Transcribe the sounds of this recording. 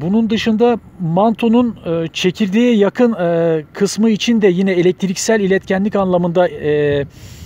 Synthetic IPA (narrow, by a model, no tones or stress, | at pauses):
bunund̪ɯʃɯnd̪a | mant̪ʰo̞nunːt͡ʃʰe̞cʰiɾd̪ʲejɛjakʰɯnkʰɯsmɯit͡ʃʰind̪ɛjinɛelʲɛc̚t̪ʰɾicsælʲilʲɛt̪cʰænlʲicanlˠamɯnd̪a